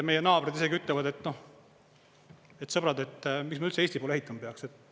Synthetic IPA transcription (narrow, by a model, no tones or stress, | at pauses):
me̞jenɑːbɾed̪ise̞ɡiyt̪lɛvɑd̪e̞t̪ːno̞h | et̪sɤb̥ɾɑd̪et̪ːmiksmɑylt̪seeːst̪ipolehit̪ːˑɑmɑpeɑkset̪ːˑ